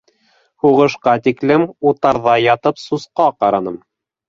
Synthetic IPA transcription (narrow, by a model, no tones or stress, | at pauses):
huʁɤ̆ʃqɑt̪iklɘmut̪ɑɾðɑjɑt̪ɤpsusqɑqɑɾɑnɤm